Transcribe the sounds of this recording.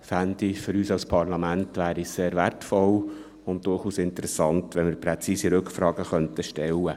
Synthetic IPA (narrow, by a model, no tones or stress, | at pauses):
fændifʏɾyːsɑlspʰɑɾlɑmæntʋæːɾiseːɾʋærtfɔl | ʊnt̚d̥ʊrχuːsɪntəɾɛsɑntʋɛnmɪɾpɾɛt͡siːsiɾɵkfɾɑːɡəχœnt̪əʃtɛlːə